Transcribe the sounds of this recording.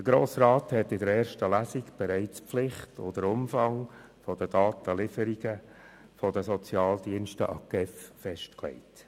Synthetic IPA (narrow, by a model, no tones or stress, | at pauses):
dəɾɡ̥ɾoːsrɑːthɛtːɪdəɾɛːɾʃtəlæsikb̥ɛɾɛɪt͡spflɪχtʰo̰d̪əɾʊmfɑŋ | fɔd̥ədɑːt̪əlɪfəɾiɡə | fɔdəsɔt͡sjɑːld̪iənʃtəʔɑ̰kɛffɛʃtklɛ̰ɪt